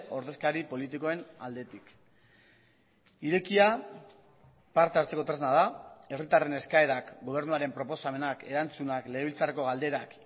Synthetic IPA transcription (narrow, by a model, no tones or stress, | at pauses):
o̞ɾðe̞skaɾipo̞lit̪̬iko̞e̞na̰ld̪e̞t̪ik | iɾe̞kia | paɾt̪eaɾt͡se̞ko̞t̪ɾe̞znað̞ae̞rit̪are̞ne̞skae̞ɾakɡo̞β̞e̞ɾnuaɾe̞mpɾo̞po̞same̞nake̞ɾant͡sunakle̞ilt͡sareko̞ɣald̪e̞ɾak